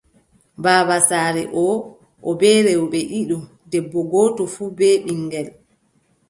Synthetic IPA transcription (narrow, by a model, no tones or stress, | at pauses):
baːbasaːɾɛʔɔ | ʔɔbɛːɾɛwɔɓɛʔiɗɔ | dɛbːɔɡɔːtɔfuːbɛːɓiŋɡɛl